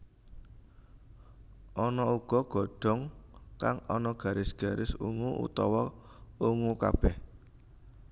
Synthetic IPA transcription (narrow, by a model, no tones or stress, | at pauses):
ʔɔnɔuɡ̥ɔ̤ɡ̥ɔ̤ɖ̥ɔ̤ŋkaŋɔnɔɡ̥ä̤ɾɪsɡ̥a̤ɾʔɪsṵŋuʔṵt̪ɔwɔ | uŋuka̰b̥ɛh